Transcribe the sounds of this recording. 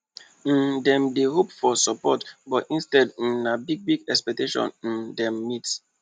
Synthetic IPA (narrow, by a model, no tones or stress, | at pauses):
n̩dɛ̃mdeɦopfɔsɔpɔtbɔtĩnstɛdn̩nabiɡ̚biɡɛkspɛk̚teʃɔ̰̃nn̩dɛ̃mːit